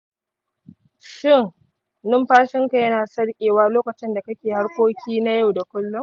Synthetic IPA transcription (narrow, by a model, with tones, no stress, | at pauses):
ʃɪ˦˨ŋ | nʊ˦mɸaː˦ʃɪ˦ŋka˨jɐ˦naː˨sɐ˦ɽkʲʼeː˨waː˦loː˦kɐ˨t͡ʃɪ˦nda˨kɐ˦kʲeː˨ha˦ɽkʷoː˦kʲiː˦na˦ja˦˨wda˨kʷʊ˦lːʊ˦m